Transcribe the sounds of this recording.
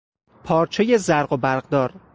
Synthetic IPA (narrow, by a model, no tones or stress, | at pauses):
pʰɒːɾt͡ʃʰeje̞zæɾɢobæɾɢd̪ɒːɾ